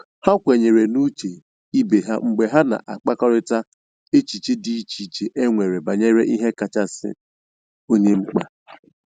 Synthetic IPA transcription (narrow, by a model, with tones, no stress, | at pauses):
ha˦kʷe˨ɲe˨ɾe˨nu˦t͡ʃe˨ | i˦be˨ɦa˦ŋ͡m̩˨ɡ͡be˨ɦa˦na̰˨ʔa˨k͡pa˦kɔ˦ɾɪ˦ta˦ | e˦t͡ʃi˨t͡ʃe˦di˦i˦t͡ʃi˨t͡ʃe˨ʔe˦ŋʷe˨ɾe˨ba˨ɲe˦ɾe˦ʔi˦ɦe˦ka˨t͡ʃa˦sɪ̰˦ | o˦ɲe˦ŋ͡m̩˦k͡pa̰˦